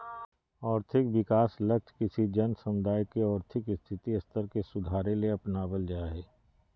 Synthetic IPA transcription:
ɔːɾt̪ʰɪkʋɪkaːslək̚t͡ʃʰkɪsid͡ʒənsəmʊd̪ʱaːjkeɔːɾt̪ʰɪkɪst̪ʰɪt̪iɐst̪əɾkesʊd̪ʱaːɾẽleɐpnabəld͡ʒaaɦɛː

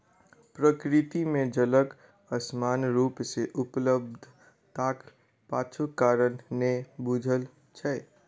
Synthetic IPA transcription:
pɾəkɾɪt̪imẽd͡ʒələk | əsmanɾupseʔupləbd̪ʱ | t̪ak | paːt͡ʃʰukaɾənːebud͡ʒʱəl | t͡ʃʰɛɛ

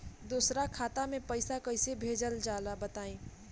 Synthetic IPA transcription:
d̪uːsɾakʰaːt̪amẽpəɪsakɐɪsebʱeːd͡ʒəld͡ʒaːlabɐt̪aːĩː

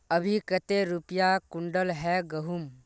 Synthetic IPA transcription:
əbʱikət̪eɾupjakʊ̃ɳɖəlɦɛɡəɦum

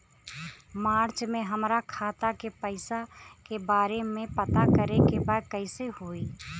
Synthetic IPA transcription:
maːɾt͡ʃmẽɦəmɾakʰaːt̪akepəɪsakebaːɾemẽpət̪akəɾekebaːd̪̚kəɪsehoːiː

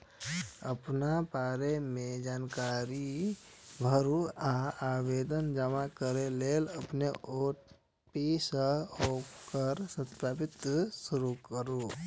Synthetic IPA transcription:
ə̰pnapaːɾemẽd͡ʒaːnkaːɾi | bʱəɾuaaːweːd̪ənd͡ʒəmakəɾeleːləpneʔo | pisəokəɾsət̪papɪt̪sʊɾukəɾu

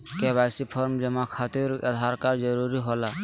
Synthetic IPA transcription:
keβasipʰɔɾmd͡ʒəmakʰat̪iɾa̰d̪ʱaɾkaɾd͡ʒəɾuɾiɦola

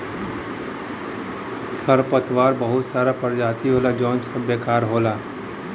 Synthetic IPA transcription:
t̪ʰɐɾpət̪ʋaːɾbɐɦʊt̪saːɾapəɾd͡ʒaːt̪iɦoːlad͡ʒɔ̃ːnsəbeːkaːɾɦoːlaː

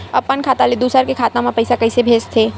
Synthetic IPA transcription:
ɐpːənkʰaːt̪aled̪uːsəɾkekʰaːt̪ãmapɐɪsakɐɪsebʱeːst̪ʰeː

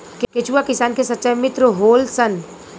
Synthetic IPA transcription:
kket͡ʃuwakɪsaːnkesɐtːt͡ʃajmɪt̪ɾəɦoːlsən

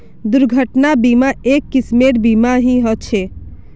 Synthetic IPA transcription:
d̪uɾɡʱəʈnabimaekːismeʈbimaɦĩɦɔt͡ʃʰe

